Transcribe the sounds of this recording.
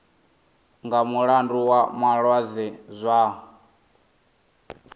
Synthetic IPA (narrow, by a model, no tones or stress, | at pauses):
ŋɡamuɺanduwamaɺwazɛzʷa